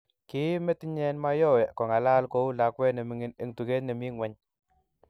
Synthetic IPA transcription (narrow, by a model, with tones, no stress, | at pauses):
ki˦me˦ti˦ɲɛ˦nma˦jɔ˦˨wɛ˨kɔ˨ŋa˨la˦lko˦u˦la˨˦kwɛ˦ne˨mi˨ŋɪ˦ne˨ŋtu˨ke˦ne˨mi˦ŋwɛ˦ɲ